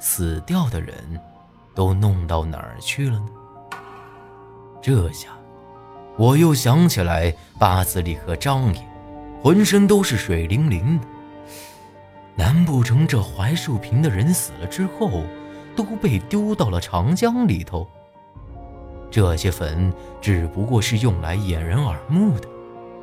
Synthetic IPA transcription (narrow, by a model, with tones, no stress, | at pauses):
sɹ̩˨˩t̪jɑ˥˩ʊd̪ə̰˩ɻə̰˧˥n | t̪o˥ʊnʊ˥˧ŋt̪ɑ˥˩ʊna̰˨˩t͡ɕʰy˥˩lə˩nə˩ | ʈ͡ʂɤ˥˧˩ɕja˥˩ | wɔ˨˩jo˥˩ʊɕjɑ˧˥ŋt͡ɕʰi˨˩la˧˥ɪ | pa˥˩t͡sɹ̩˧˩li˥˩kʰɤ˧˥ʈ͡ʂɑ˥ŋjɛ˨˩˦xwə˧˥nʂə˥nt̪o˥ʊʂɻ̩˥˩ʂwe˨˩ɪli˧˥ŋli˧˥ŋd̪ə˨ | na˧˥npu˥˩ʈ͡ʂʰɤ˧˥ŋʈ͡ʂɤ˥˩xwa˧˥ɪʂu˥˩pʰi˧˥nd̪ə˧ɻə˧˥nsɹ̩˨˩lə˦ʈ͡ʂɻ̩˥xo˥˩ʊt̪o˥ʊpe˥˩ɪt̪jo˥ʊt̪ɑ˥˩ʊlə˩ʈ͡ʂʰɑ˧˥ŋt͡ɕjɑ˥ŋli˨˩t̪ʰo˧˥ʊ | ʈ͡ʂɤ˥˩ɕjɛ˥fə˧˥nʈ͡ʂɻ̩˨˩pu˧˥kwɔ˥˧ʂɻ̩˥˧jʊ˥˩ŋla̰˧˥ɪjɛ˨˩nɻə˧˥nə˞˨˩mu˥˩d̪ə̥˩